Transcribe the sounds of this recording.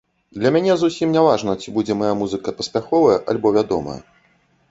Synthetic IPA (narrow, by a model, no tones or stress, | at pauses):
d̪lʲɐmʲanʲɛzusʲimnʲavaʐnɐt͡sʲibud͡zʲɛmajamuzɨkɐpɐspʲaxɔvɐjɐʔalʲbɔvʲad̪ɔ̰mɐ̰jɐ̰